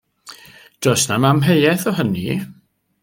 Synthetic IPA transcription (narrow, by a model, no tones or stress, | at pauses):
d̥ɔsnamamɦejɛθɔɦənḭ